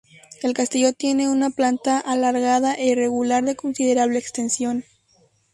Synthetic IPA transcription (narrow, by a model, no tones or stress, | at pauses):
e̞lkast̪iʝo̞t̪je̞ne̞unaplant̪aʔalaɾɣaðaʔeire̞ɣulaɾðe̞ko̞nsiðe̞ɾaβle̞ːkst̪e̞nsjo̞n